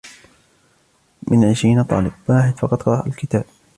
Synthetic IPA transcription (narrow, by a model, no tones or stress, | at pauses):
mɪnʕɪʃɾiːnat̪ˤɑ̰ːlɪbwaːħɪd̪fɑqɑt̪ˤqɑɾˤɑʔalkɪt̪aːb̚